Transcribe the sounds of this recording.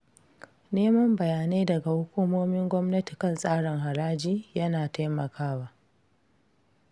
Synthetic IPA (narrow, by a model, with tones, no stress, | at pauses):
neː˦mɐ˦mbɐ˨jaː˨neː˦dɐ˨ɡa˨hʊ˦kʷuː˦moː˦mɪ˦ŋɡʷɔ˦mnɐ˦ti˨kɐ˦˨nsʼaː˦ɽɪ˨ŋɦa˨ɾaː˦d͡ʒiː˦jɐ˦naː˨ta˦jmɐ˨kʰaː˦waː˨ʔ